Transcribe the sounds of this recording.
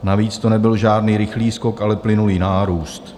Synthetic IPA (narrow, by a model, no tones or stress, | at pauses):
naviːt͡st̪onɛbɪlʒaːdniːɾɪxliːsko̞kʔalɛplɪnuliːnaːɾuːst̪